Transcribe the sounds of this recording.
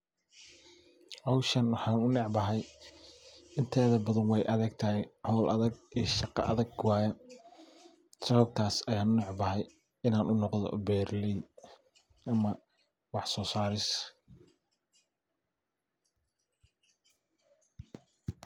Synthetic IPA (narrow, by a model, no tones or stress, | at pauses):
ʕɑwʃɐnwɑħɑːnʊnɛʕbɐɦɛj | ɪnt̪ʰɛːðɐbɐðɐnwɛjʔɐðɛɡ̚t̪ʰɐɦɪʕɔːlʔɐ̰ðɐɡiːʃɑqɑ̰ʔɐ̰ðɐɡwɑːjɐ | sɐβɐb̚t̪ʰaːsɐjaːnʊnɛʕbɐɦɛj | ɪnaːnʔʊnɔqðɔ̰bɛːrlɛ | ʔɐmɐ | wɑħsɔːsaːɾɪs